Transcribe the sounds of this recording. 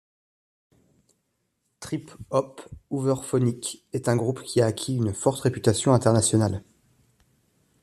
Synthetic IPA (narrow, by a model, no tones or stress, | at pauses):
t̪χipɔpuvœʁfɔnikʲɛt̪ɛ̃ɡʁupkʲʰiaːkʲʰiynfɔʁt̪ʁepy̥t̪asjɔ̃ɛ̃t̪ɛʁnasjɔnal